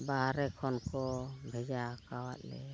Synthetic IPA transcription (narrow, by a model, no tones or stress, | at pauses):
baɦaɾɛkʰɔnkɔbʱɛd͡ʒakawa̰t̪̚lɛ